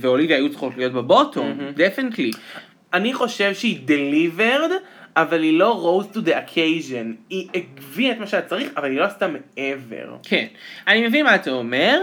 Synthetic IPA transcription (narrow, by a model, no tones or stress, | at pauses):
veolivjaːjut͡sχo̞tlijo̞t̚bebo̞tʰomdefinetli | ʔaniχo̞ʃe̞vʃeideliveʁdavalilo̞ʁo̞wztud̪eakʰejʒeniʔeɡviaetmaʃeatat͡saʁiχavalilo̞astameevḛʁkʰḛnanimevinmaat̪aomeʁ